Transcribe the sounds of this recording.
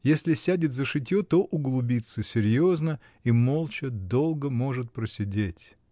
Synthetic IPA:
jesʲlʲɪsʲædʲɪt̪ʲzəʂɨtʲjot̪oʔʊɡlˠʊbʲit̪səsʲɪɾʲjo̞znə | imo̞lˠt͡ɕɪd̪o̞lˠɡəmo̞ʐɨt̪̚pɾəsʲɪdʲetʲ

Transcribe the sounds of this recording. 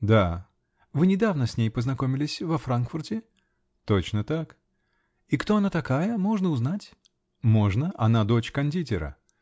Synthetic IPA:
d̪a | vɨnʲɪd̪avnəsʲnʲejpəznɐkomʲɪlʲɪsʲvɐfɾankfʊrtʲɪ | t̪ot͡ɕnət̪ak | ikt̪o̞ɐnat̪ɐkajəmo̞ʐnəʊznatʲ | mo̞ʐnəʔɐnad̪o̞t͡ɕkɐnʲdʲitʲɪɾə̰

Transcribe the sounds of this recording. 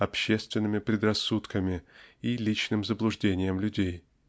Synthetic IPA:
ɐpɕːe̞st̪vʲɪnːɨmʲɪpɾʲɪd̪rɐsːut̪kəmʲɪilʲit͡ɕnɨmzəblˠʊʐdʲenʲɪjəmlʲʉdʲej

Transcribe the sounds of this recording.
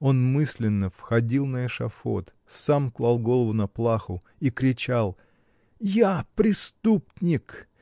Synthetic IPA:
o̞nmɨsʲlʲɪnːəfxɐdʲilˠnəɪʂɐ̰fo̰t̪ | samklˠalˠɡo̞lˠəvʊnɐplˠaxʊ | ikɾʲɪt͡ɕalˠ | japɾʲɪst̪upnʲɪk

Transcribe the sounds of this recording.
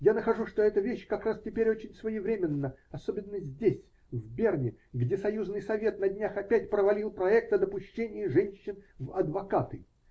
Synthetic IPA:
janəxɐʐuʂt̪oɛt̪əvʲeɕːkɐkɾastʲɪpʲeɾʲot͡ɕɪnʲsvəjɪvɾʲemʲɪnːəɐsobʲɪnːəzʲdʲesʲ | vʲbʲernʲɪɡdʲesɐjuznɨjsɐvʲe̞t̪̚nɐdʲnʲaxɐpʲætʲpɾəvɐlʲilˠpɾɐɛk̚t̪əd̪əpʊɕːenʲɪjəʐɛnʲɕːɪnvɐd̪vɐkat̪ɨ

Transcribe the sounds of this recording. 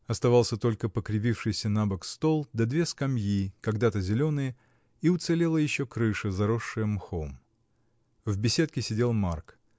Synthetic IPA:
ɐst̪ɐvɑlˠsʲət̪o̞lʲkəpəkɾʲɪvʲifʂɨjsʲənabəkst̪o̞lˠd̪ɐd̪vʲeskɐmjikɐɡd̪at̪əzʲɪlʲo̞nɨjə | iʊt̪sɨlʲe̞lˠəjɪɕːokɾɨʂɨzɐɾoʂːɨjəmxom | vbʲɪsʲe̞t̪̚kʲɪsʲɪdʲe̞lˠmark

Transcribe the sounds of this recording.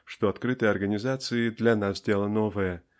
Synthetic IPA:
ʂt̪oat̪kɾɨt̪ɨjɐrɡənʲizat̪sɨɪd̪lʲanasdʲelˠənovəjə

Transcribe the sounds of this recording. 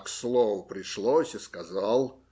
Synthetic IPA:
kslˠovəpɾʲɪʂlˠosʲiskazɑlˠ

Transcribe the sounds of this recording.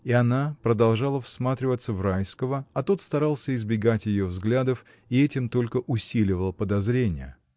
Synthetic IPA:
iɐnapɾəd̪ɐlˠʐalˠəfsmat̪ɾʲɪvət̪səvrajskəvəɐt̪ot̪st̪ɐɾalˠsʲəɪzbʲɪɡatʲjɪjovzɡlʲad̪əf | iɛtʲɪmt̪o̞lʲkəʔʊsʲilʲɪvəlˠəpəd̪ɐzɾʲenʲɪjə̰

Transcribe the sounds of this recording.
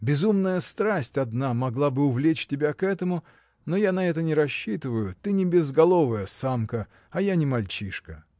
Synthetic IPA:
bʲɪzumnəjəst̪ɾasʲtʲɐd̪namɐɡlˠabɨʊvlʲet͡ɕtʲɪbʲakɛt̪əmʊ | nojanɐɛt̪ənʲɪɾɐɕːit̪ɨvəjʊt̪ɨnʲɪbʲɪzɡɐlˠo̞vəjəsamkə | ɐjanʲɪmɐlʲt͡ɕiʂkə

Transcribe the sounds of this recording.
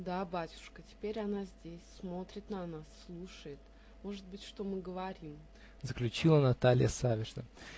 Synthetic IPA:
d̪abatʲʊ̥ʂkətʲɪ̥pʲeɾʲanazʲdʲesʲsmo̞t̪ɾʲɪt̪nɐnasːlˠuʂəjɪt̪ | mo̞ʐɨt̪̚bɨtʲʂt̪o̞mɨɡəvɐɾʲim | zəklʲʉt͡ɕilˠənɐt̪alʲɪ̰jəsavʲɪʐnə

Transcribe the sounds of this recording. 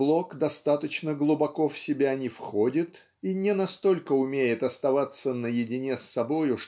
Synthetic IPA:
blˠo̞kd̪ɐst̪at̪ət͡ɕnəɡlˠʊbɐko̞fsʲɪbʲanʲɪfxo̞dʲɪt̪ | inʲɪnɐst̪o̞lʲkəʊmʲejɪt̪ɐst̪ɐvat̪sːənəjɪdʲɪnʲesːɐbo̞jʊʂ

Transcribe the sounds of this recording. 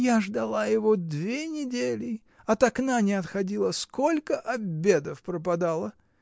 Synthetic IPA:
jaʐd̪ɐlˠajɪvod̪vʲenʲɪdʲelʲɪ | ɐt̪ɐknanʲɪɐt̪xɐdʲilˠəsko̞lʲkəʔɐbʲe̞d̪əfpɾəpɐd̪alˠə

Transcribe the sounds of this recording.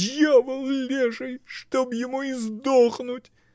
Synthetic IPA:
javəlˠlʲeʒəjʂt̪objɪmuɪzd̪oχnut̪ʲ

